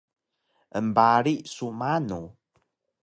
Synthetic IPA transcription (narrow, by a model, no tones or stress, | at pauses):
ʔəmbaɾiʔsumanu